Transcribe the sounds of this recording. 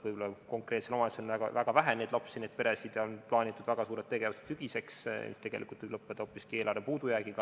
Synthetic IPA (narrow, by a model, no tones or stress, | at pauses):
vɯjbo̞lɑko̞ŋkret̪seomɑt̪senæɡɑ̰væɡ̥ɑvæɦæne̞ːd̪̥lɑpsined̥̪̚pe̞ɾesid̪̥jɑonplɑːnʲit̪ːˑud̪væɡ̥ɑsuːɾe̞t̪̚t̪ːe̞ɡ̥evuset̪syɡ̥ise̞ksmḭst̪e̞ɡ̥e̞lʔikˑult̪ːvijblɤpːˑed̪ɑoːpːˑiskie̞lʔɑɾepuːd̪ujæːɡ̥iɡ̥ɑ